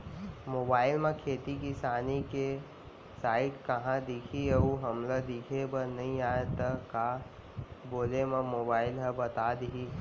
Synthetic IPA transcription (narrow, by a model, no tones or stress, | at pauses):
moːbaːɪlmẽkʰeːt̪ikisaːnike | saːɪʈkɐɦãd̪ɪkʰiəuɦɐmlad̪ɪkʰebənɐɦĩaːet̪ɐkaː | boːlemɐ̃moːbaːɪlɦəbɐt̪aːd̪ɦi